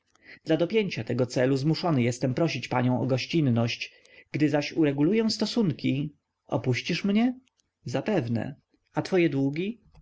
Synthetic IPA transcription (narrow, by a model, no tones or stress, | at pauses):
d̪lad̪ɔpʲjeɲt͡ɕat̪ɛɡɔt̪sɛluzmuʂɔnɘjɛst̪ɛmpɾɔɕit͡ɕpa̰ɲɔ̃w̃ʔɔɡɔɕt͡ɕinːɔɕt͡ɕ | ɡ̥d̪ɘzaɕuɾɛɡulujɛ̃st̪ɔsuŋkʲi | ɔ̰puɕt͡ɕiʂmɲɛ | zapɛvnɛ̰ | at̪fɔjɛd̪wuɡʲi